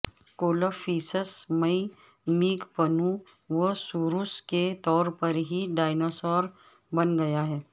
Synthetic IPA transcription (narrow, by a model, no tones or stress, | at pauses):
koːləfiːsəsmɐi | miːɡpɐnũ | ʋosuːɾusket̪ɔːɾpɐɾɦiɖaːɪnoːsɔːɾ | bɐnɡɐjaɦɛː